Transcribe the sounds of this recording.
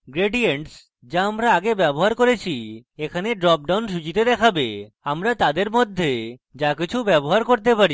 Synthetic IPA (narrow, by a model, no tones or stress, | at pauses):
ɡɾeɖieɳʈs | d͡ʑaamɾaaɡebɛboɦaɾkoɾet͡ɕʰiekʰaneɖɾɔp̚ɖawnʃ̬ut͡ɕit̪ed̪ɛkʰabe | amɾat̪ad̪eɾmod̪ʱːed͡ʑakit͡ɕʰubɛboɦaɾkoɾt̪epaɾi